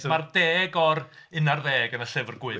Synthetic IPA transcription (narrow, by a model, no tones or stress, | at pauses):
mardeːɡɔrɨnarðeːɡənəɬɛvrɡwɨ